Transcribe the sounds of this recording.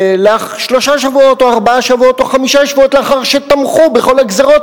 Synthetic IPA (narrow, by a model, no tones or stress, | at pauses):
leaχʃlo̞ʃaʃavuo̞to̞aʁbaaʃavuo̞t̪o̞χamiʃaʃvuo̞t̪leaχaʁʃet̪amχubeχo̞laɡzeʁo̞t